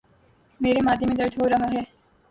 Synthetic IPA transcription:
meːɾemaːd̪emẽd̪ɐɾd̪ʱɦoɾɐɦaɦɛː

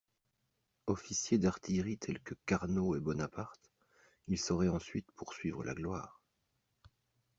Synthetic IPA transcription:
ɔfisjed̪aʁt̪ʰiʁit̪ʰɛlkəkaʁnoɛbɔnapaʁt̪ | ilsɔʁɛɑ̃sɥit̪puʁsɥivʁəla̰ɡlwa̰ːʁ

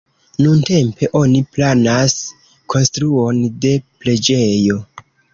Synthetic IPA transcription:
nunte̞mpe̞ʔo̞niplanas | kʰo̞nstɾuo̞nde̞ple̞d͡ʒe̞jo̞

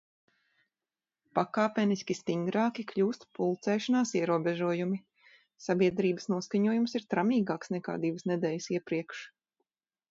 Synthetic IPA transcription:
pakaːpʲɛniskʲist̪iŋɡɾɑːkʲikʎʲuːst̪pulˠt̪sɛːʃanaːsiɛɾuɔbʲɛʒuɔjumi | sabʲiɛd̪ɾiːbə̥snuɔskaɲuɔjumsiɾt̪ɾamiːɡaːksnɛka̰ːd̪iʋəsnɛd̪ɛːjsiɛpɾiɛkʃ

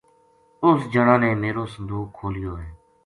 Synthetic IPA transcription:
ʊsd͡ʒəɽãːneːmeːɾoːsənd̪uːkʰːoːlijoːɦɛː

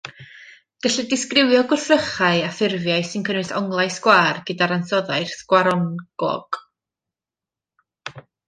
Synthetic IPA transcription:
ɡ̥əɬɨdɪskrɪwjɔɡʊrθəχaɨafɪrvjaɨsɪnkʰənɨsɔŋlˠajsɡwaːrɡədaɾansɔðajrθɡ̥waɾɔnɡ̥ɔ̰ɡ̥

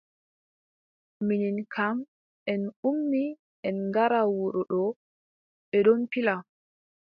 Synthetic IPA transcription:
mininkʰam | ʔɛnumni | ʔɛnŋɡaɾawuɾɔɗɔ | ɓɛɗɔnpila

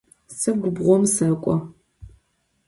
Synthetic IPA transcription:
sɨɡʷʊbʁʷɔmsɐkʷʼɔ

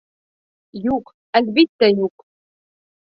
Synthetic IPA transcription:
juq | ælʲbit̪ːæjuq

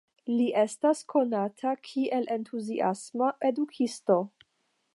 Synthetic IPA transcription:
liʔe̞staskʰo̞natʰakʰiʔe̞lʔe̞ntʰuziʔa̰smae̞dukʰisto̞

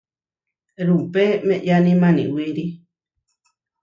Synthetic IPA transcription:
ɾupemẽʔjanĩmãnḭ̃wiɾi

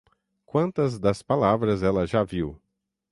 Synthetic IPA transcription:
kwɐ̃nt̪ɐzd̪ɐspalavɾɐzɛlɐʒaviw

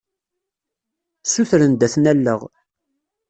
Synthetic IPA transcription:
suθɾənd̪æθnælːəʁ

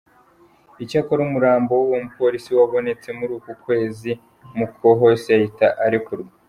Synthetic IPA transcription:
icakoɾumuɾaːmbo̞wuwomupo̞ːɾisiwaβo̞ne̞t͡se̞muɾuːkukwe̞ːzi | mukʰo̞ɦo̞sejahitaʔaɾikuɾɡa

